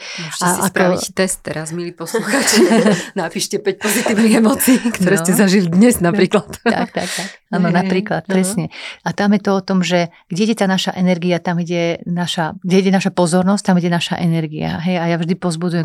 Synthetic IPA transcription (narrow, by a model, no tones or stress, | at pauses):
aa̰kɾɔait̪ɛst̪ːɛɾazmiliːpɔsluxaːt͡ʃnapiːʃcɛpɛc̚pɔzit̪iːʊniɣɛmɔːt͡siːkt̪ɔɾɛːscɛzaʒilid̪ɲɛznapɾiːklat̪a̰kt̪a̰k̚t̪akaːnɔnapɾiːklat̪pɾɛsɲɛat̪amjɛt̪ɔɔt̪ɔmʒɛ | ɡ̥ɟɛiɟɛt̪aːnaʃaʔɛnɛɾɡiat̪amiɟɛnaʃaɡɟɛiɟɛnaʃapɔzɔɾnɔsc̚t̪amiɟɛnaʃa̰ʔɛnɛɾɡia̰ɦɛjajavʒd̪ipɔzbud͡zujɛ